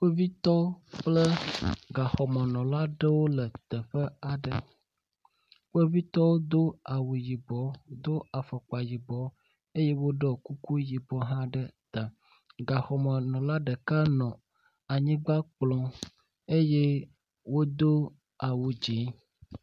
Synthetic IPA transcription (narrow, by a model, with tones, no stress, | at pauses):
ɸe˦vi˦t̪ɔ˦k͡plə˦ɡa˨xɔ˨mə˨nɔ̃˨la˦ɖə˦wo˦lə˨t̪ə˨ɸə˦a˨ɖə˨ | ɸe˦vi˦t̪ɔ˦wo˦d̪o˦a˨wu˨ji˨bɔ˨˦d̪o˦a˨fə˨k͡pa˨ji˨bɔ˨ | e˦je˦wo˦ɖɛ˦ku˦ku˦ji˨bɔ˦ɦã˦ɖə˦t̪a˨ | ɡa˨xɔ˨mə˨nɔ̃˨la˦ɖə˨ka˦nɔ̃˨ | a˨ɲĩ˦ɡ͡ba˦k͡plɔ̃˨ | e˦je˦ | wo˦d̪o˦ | a˨wu˨d͡ʒe˨˦